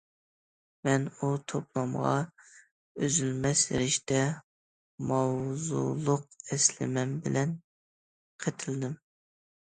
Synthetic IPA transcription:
mɛnut̪ʰoplˠɑmʁɑ̰ | øzylmɛsl̰ɾɪʃt̪ɛ | mɑwzṵlˠʊq̚ɛslɪ̰mɛmbɪlɛn | qʰet̪ʰɪld̪ɪm

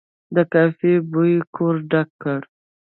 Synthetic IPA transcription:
d̪əkɑfebujikʰoɾɖakːəɽ

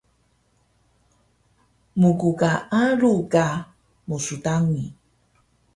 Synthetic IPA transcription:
muɡuɡaʔaɾuɡa | musudaŋi

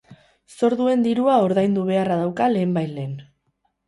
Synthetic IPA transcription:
so̞ɾðue̞nd̪iɾuao̞ɾðajnd̪uβ̞e̞arað̞awkale̞ːmbajle̞ːn

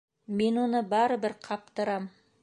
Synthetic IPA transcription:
me̞nwo̞nəbɑɾəbɪɾqʰɑp̚t̪əɾɑm

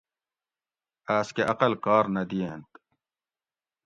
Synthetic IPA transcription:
aːskeʔɐqɐlkaːɾnɐd̪ijeːnt̪

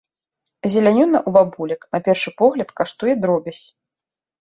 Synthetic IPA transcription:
zʲɛlʲanʲɔnɐʔubabulʲɐknɐpʲɛrʂɨpɔɣlʲɐt̪kaʂt̪ujɛd̪ɾɔbʲɐsʲ

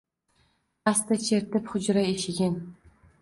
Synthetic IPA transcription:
ast̪at͡ʃʰeɾt̪ɪpχʊd͡ʒɾaeʃɪɡʲɪn

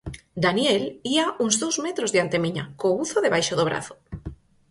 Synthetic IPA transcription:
d̪anjeliauŋzðowzmet̪ɾozðeant̪emĩɲa̰kouθoðeβ̞ajʃoðoβ̞ɾa̰θo̥

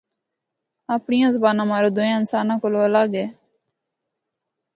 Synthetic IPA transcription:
aːpɳijãːzəbaːnãːmaːɾoːd̪ʊjãːɪnsaːnãːkoloːəlaːɡeː

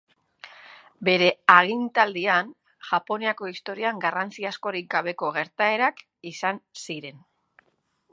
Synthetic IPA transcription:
be̞ɾe̞aɣint̪ald̪ian | ʝapo̞niako̞ist̪o̞ɾiaŋɡarant͡siasko̞ɾik̚ɡaβ̞e̞ko̞ɣ̞e̞ɾt̪ae̞ɾak | isansiɾe̞n

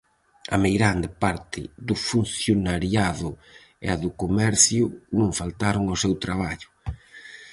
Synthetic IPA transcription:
ɐ̰mejɣɾand̪ɪpaɾt̪ʰɪ̰ðʊfun̟θjonaɾjaðʊ | ḛaðʊkomɛɾθjʊnũŋfalt̪aɾʊŋosewt̪ɾaβaʎʊ̥

